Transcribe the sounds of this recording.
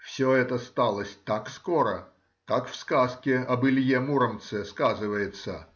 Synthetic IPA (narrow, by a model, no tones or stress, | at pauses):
fsʲoɛt̪əst̪alˠəsʲt̪akskoɾə | kakfskaskʲɪɐbɨlʲjemuɾəmt̪sɛskazɨvəjɪt̪sə